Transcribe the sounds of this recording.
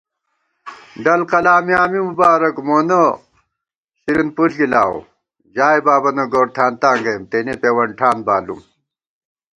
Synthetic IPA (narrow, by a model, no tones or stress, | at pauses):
ɖɐlqɐlaːmiaːmimubaːɾɐkmoːno | ɕiɾinpulɡilaːwo̰ | d͡ʑaːibaːbɐnɐɡoːɽt̪ʰaːnt̪aːŋɡɐmt̪eːnepeːwɐɳʈʰaːnbaːlṵm